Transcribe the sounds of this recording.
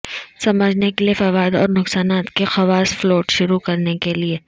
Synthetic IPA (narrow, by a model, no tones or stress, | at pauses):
sɐməd͡ʒʱnekeliefɐʋaːɪd̪ɔ̰ːɾnʊqsaːnaːt̪kexɐʋaːsfloːʈʃʊɾukɐɾnekelieː